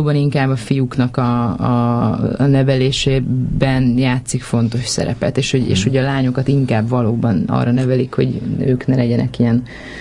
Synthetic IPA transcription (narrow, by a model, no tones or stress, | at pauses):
oːbɒniŋkaːbːɒfijuknɒkɒ | nɛvɛleːʃeːbɛnjaːt̪sikfo̞nt̪o̞ʃsɛ̰ɾɛ̰pɛ̰t̪eːʃho̞ɟḛːʃho̞ɟɒlaːɲo̞kɒt̪iŋkaːbvɒloːbɒnɒ̰ːrɒnɛvɛlikho̞̰ɟø̰ːknɛlɛɟɛnɛkijɛn